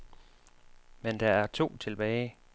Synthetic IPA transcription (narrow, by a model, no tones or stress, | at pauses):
mend̥ɑ̈æɐt͡sʰo̝̰ːt͡sʰe̝lb̥ɛːɪ